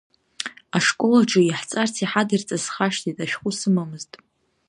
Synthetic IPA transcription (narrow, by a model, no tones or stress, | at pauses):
aʂkʷʼolaʈ͡ʂʰʼɨiħt͡sʼart͡sʰiħadɨrt͡sʼasχaʃtʰitʼaʃᶣχʷusɨmamɨztʼ